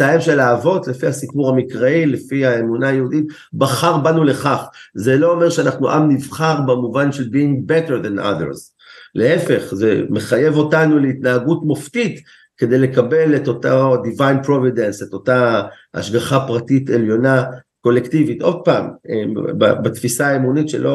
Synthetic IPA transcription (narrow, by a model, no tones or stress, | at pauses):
sajemʃe̞laːvo̞tlefiasipuʁhamikʁailefiaemunajeudit | baχaʁbanule̞χaχze̞lo̞ome̞ʁʃeanaχnuʔamnivχaʁbemuvanʃelbiiŋɡbeteɾðanʔa̰ðḛɾz | leefe̞χzeme̞χaje̞vo̞tanuleitnaaɡutmoftit | ke̞d̪e̞jle̞kabe̞leto̞tadivajnpʁovide̞nseto̞ta | a̰ʃɡaχapʁatite̞ljo̞na | ko̞lektivitʔo̞d̪̚paːmeba̰batfisaːemunitʃḛlʔo̞